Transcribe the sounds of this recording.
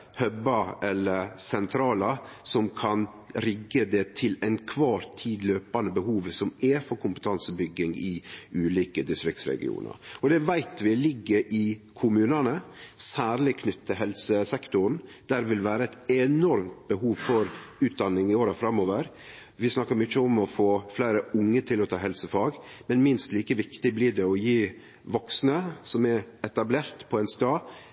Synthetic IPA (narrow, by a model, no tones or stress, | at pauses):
hœbɑɛlːəɾsɛnt̪ʰɾɑːləsɔmkʰɑn | ɾɪɡːəd̪ɛt̪ʰɪlæɪnkʰʋɑːɾt̪ʰːiːd̪løːpɑnəbəhuːʋsɔmɛfɔɾkʰʊmpət̪ʰɑnsəbʏɡːɪŋɪʉːliːkəd̪ɪst̪ɾɪk̚t̪sɾɛ̰ɡɪ̰ṵːnə̰ɾɔd̪ɛʋæɪt̪ʋɪlɪɡːəɾʔɪkʰʊmʉːnənəsæːɾlɪkʰnʏt̪ːəɦɛlsəsɛkt̪ʊɾn̩d̪̥æɾʋɪlʋæːɾəɛt̪ɛnɔɾmt̪̚bəɦuːʋfɔɾʉːt̪̚d̪ɑnːɪŋɪoːɾəfɾɑmoːʋəɾ | ʋɪsnɑkːəɾmʏçːəɔmɔfoːflæɪɾəʔʊŋːət̪ʰɪlɔt̪ʰɑːɦɛlsəfɑːɡmɛnmɪnst̪liːkəʋɪkt̪ɪblɪɖɛɔjiː | ʋɔksnəsɔmɛɾɛt̪ɑbleːɾt̪pʰɔɛnst̪ɑː